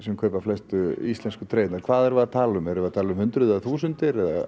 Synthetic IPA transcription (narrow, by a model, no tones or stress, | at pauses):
sɛmkʰœːpaflɛst̪ʏist̪lɛnskʏt̪ʰɾeːjt̪naɾkʰv̥aːðɛɾvat̪ʰaːlʏmɛɾʏvat̪ʰaːlʏmhʏnt̪ɾʏðaθuːsʏnt̪ɪɾɛða̰